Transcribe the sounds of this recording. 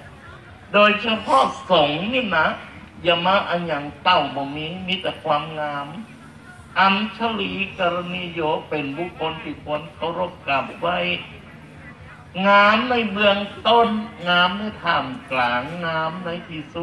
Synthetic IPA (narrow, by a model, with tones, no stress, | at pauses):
doː˨jsʰa˧pʰɔ˧˥˨sɔː˨˦ŋŋniː˧˨na˧˥ | ja˧maː˧˥ʔa˧˩ɲa˨˩ŋt̪a˧˩˨wbɔ˨˩miː˧˦ŋmi˧˥t̪ːa˧˩kʰwaː˧˥mŋaː˧˥m | ʔa˧msʰa˧liː˧˦kɔ˧ɾa˧niː˧joː˧˦pe˨˩nbu˧˩kʰːo˧˥nt̪ʰiː˧˩kʰu˧˥ənt̪o˧˦ɾo˧˩p̚ka˨˩wa˧˥˩j | ŋaː˧˥mna˧˥˨jbɯ˧əŋt̪o˧˥˨nŋaː˧˥mna˧˨t̪ʰaː˨˩mklaː˨˦ŋːaː˧˥mna˧˥jt̪ʰiː˧˩su˦